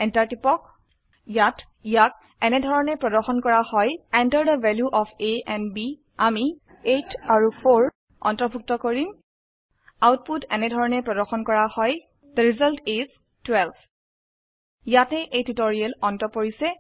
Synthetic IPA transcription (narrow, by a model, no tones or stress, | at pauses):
ɛntaɹtipɔk̚ | jat | jak̚ | ɛnɛdʱɔɹɔnɛpɹɔdɔɹxɔnkɔɹahɔjandəɹdəvɛljuʔɔfʰeɛ̃nbi | ami | etʰaɹupʰoɹ | ɔ̰ntɔbʱuk̚tɔkoɹim | awt̚putɛ̰nɛdʱɔɹɔnɛpɹɔdɔɹxɔnkɔɹahɔj | d̪̥əɹizaltiz | twɛlb | jatɛʔejtutoɹiɛlɔntɔpoɹisɛ